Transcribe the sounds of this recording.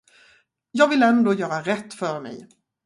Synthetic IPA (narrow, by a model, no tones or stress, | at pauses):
jɑːɡvɪlɛnd̪oːjœːɾaɾɛt̪ːfœɾmɛ̰j